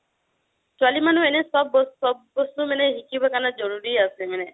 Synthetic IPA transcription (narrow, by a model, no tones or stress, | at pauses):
swalimanuenesɔbɔsɔbbɔst̪umeneɦikibakanɔd͡ʒɔɾuɾiaseemene